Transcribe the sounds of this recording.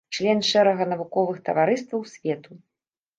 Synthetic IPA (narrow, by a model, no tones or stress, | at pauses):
t͡ʂlʲɛnʂɛɾɐɣɐnɐvukɔvɨxt̪ɐvaɾɨst̪vɐwsʲvʲɛt̪u